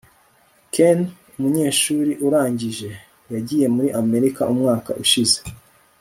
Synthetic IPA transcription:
ken | umuɲe̞ːʃuːɾiʔuɾaːɲɟiʒe̞ | jaɟije̞muɾiʔame̞ɾikaʔumŋaːka̰ʔuʃize̥

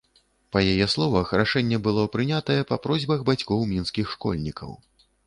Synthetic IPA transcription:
pɐjajɛslˠɔvɐxɾaʂɛnʲːɛbɨlˠɔpɾɨnʲat̪ɐjɛpɐpɾɔzʲbɐɣbat͡sʲkɔwmʲinskʲixʂkɔ̰lʲnʲikʰɐ̰w

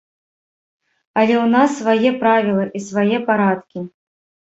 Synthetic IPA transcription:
alʲɛʊnasːvɐjɛpɾavʲɪlˠɐʔisvajɛpaɾat̪kʲi

